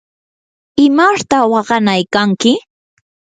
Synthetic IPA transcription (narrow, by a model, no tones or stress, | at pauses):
ɪmaʃt̪awɑɢɑnajkaŋkɪ